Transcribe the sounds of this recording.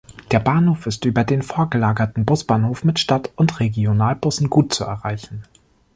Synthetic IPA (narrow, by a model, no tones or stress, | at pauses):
d̥eːɐbaːnhoːfɪstʔyːbɐdeːnfoːɐɡəlaːɡɐtn̩bʊsb̥aːnhoːfmɪtʃtatʊntʁeɡjonaːlbʊsn̩ɡuːt̚t͡suɛ̰ɐʁaɪçn̩